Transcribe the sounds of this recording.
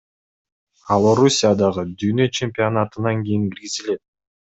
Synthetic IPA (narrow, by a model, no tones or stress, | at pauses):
ɑlˠo̞ɾusʲijad̪ɑʁɯd̪yːnø̞t͡ʃʰemʲpʲɪonat̪ɯnɑŋɡʲijiŋɡʲiɾɡizile̞t̪̚